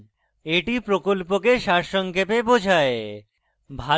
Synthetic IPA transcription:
eʈipɾokolpokeʃaɾʃɔŋkepebod͡ʑʱae | bʱa

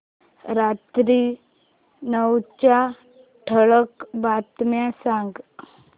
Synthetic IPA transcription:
ɾat̪ɾi | nəwt͡ɕa | ʈʰəɭəkbat̪mjãsãŋɡ

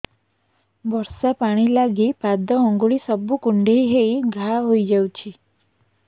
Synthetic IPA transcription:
bɔɾsapaɽ̃ilaɡipad̪ʱɔɔŋɡuɭisɔbukuɳɖʱejɦejɡʱaɦojd͡ʒawt͡ʃʰi

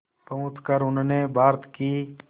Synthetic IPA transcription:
pəũːt̪kəɾʊnnebʱaːɾt̪kiː

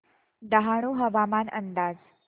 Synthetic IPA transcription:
d̪əɦaɽ̃uːɦəʋamanʔənd̪ad͡z

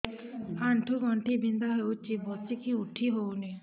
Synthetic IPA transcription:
aɳʈʰuːɡɔ̃ɳʈʰiːbɪ̃nd̪aːɦeut͡ʃibɔsikiʊʈʰːiːɦoːneː

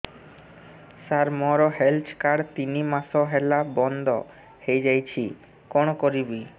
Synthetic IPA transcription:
saɾmɔɾoɦelt͡ɕʰkaɽt̪inimasoɦɛlabɔnd̪ɔ | hejd͡ʑajt͡ɕʰi | kɔɽ̃okoɾibi

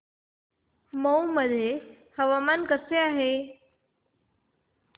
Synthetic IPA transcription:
məwməd̪ʱːje | həʋamankəseaɦe

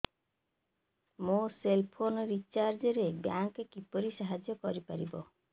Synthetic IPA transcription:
moselpʰonɔɾit͡ʃaɾd͡ʒɔɾebjaŋkkipɔɾisaɦad͡ʒjɔkɔɾipaɾibɔ

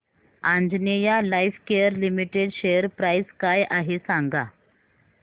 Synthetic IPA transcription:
ãnd͡znejalaifkejəɾlimiʈeɽɕejəɾpɾajskajaɦesãŋɡa

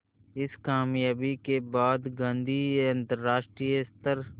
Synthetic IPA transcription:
ɪskaːmjaːbikebaːd̪ɡãːnd̪ʱiɐ̃nt̪əɾːaːʃʈɾijəst̪əɾ

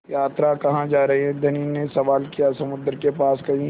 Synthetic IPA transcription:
jaːt̪ɾakɐɦãd͡ʒaːɾɐɦeɦɛ̃d̪ʱɐninesɐʋaːlkijasɐmʊd̪əɾkepaːskɐɦĩ

